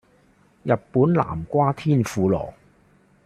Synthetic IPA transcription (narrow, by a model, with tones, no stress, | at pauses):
jɐ˨pːuː˨˥nla̰ː˨˩mkʷwaː˥t̪ʰiː˥˨nfuː˨˧lɔ̰ː˨˩ŋ